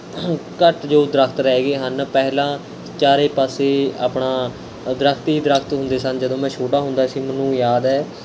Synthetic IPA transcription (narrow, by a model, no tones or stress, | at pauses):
kəʈd͡ʒoːd̪ɾəkʰt̪ɾɛːɡeːɦənpɛːlãː | t͡ʃaːɾeːpaːseːa̰ːpɳaː | d̪ɾəkʰt̪iːd̪ɾəkʰt̪ɦʊ̃nd̪eːsənd͡ʒəd̪õːmɛ̃ːt͡ʃʰoːʈaːɦʊnd̪aːəsĩːmənũːjaːd̪ɛː